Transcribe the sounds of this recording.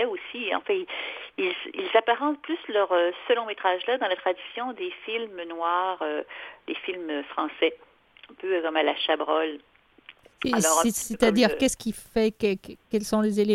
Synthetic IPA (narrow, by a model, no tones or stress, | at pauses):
ɛosiɑ̰̃fɛ̃iilzilzapaʁɑ̃t̪plyslœʁøsəlɔ̃met̪χaʒlad̪ɑ̃lat̪χad̪isjɔ̃d̪efilmnwaːʁød̪̥efilmøfχɑ̃sɛ | ɛ̃pøkɔmalaʃabʁɔl | alɔ̃set̪ad̪iːʁkɛskʲifɛkkʲɛlsɔ̃lezele